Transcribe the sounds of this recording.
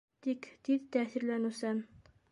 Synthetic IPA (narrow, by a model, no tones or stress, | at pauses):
t̪ikt̪iðt̪æθiɾlænɘ̆wsæm